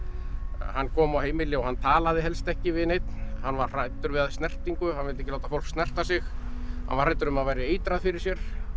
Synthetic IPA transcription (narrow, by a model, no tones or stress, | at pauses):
ɦanːkʰɔːmawheːjmɪlːɪɔhanːt̪ʰaːlaðɪɦɛlst̪ɛhcɪvɪðnejt̪nhanːvarr̥ajt̪ʏɾvɪðaðst̪nɛr̥t̪iŋkʏhanvɪlt̪ɛcɪlawt̪afowl̥kst̪nɛr̥t̪asɪxhanvaɾrajt̪ʏɾʏmaðvajɾɪejt̪ɾaðfɪɾɪɾ̥sjɛɾ̥